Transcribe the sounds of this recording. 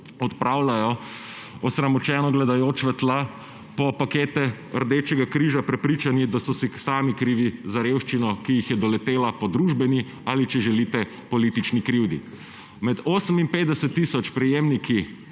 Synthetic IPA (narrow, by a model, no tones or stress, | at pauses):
ɔt̪pɾaːwlajɔ | ɔsɾamɔt͡ʃɛːnɔɡlɛd̪ajoːt͡ʃʋɛt̪la | pɔpakeːt̪ɛ | əɾd̪eːt͡ʃɛɡakɾiʒapɾɛpɾit͡ʃanid̪asɔsisaːmikɾiːʋizaɾewʃt͡ʃinɔkijixjɛd̪ɔlɛt̪eːlapɔd̪ɾuːʒbɛni | alit͡ʃɛʒɛlit̪ɛ | pɔliːt̪it͡ʃnikɾiwd̪ḭ | mɛd̪oːsəmimpeːt̪d̪ɛsɛt̪ːiːsɔt͡ʃpɾɛjeːmniki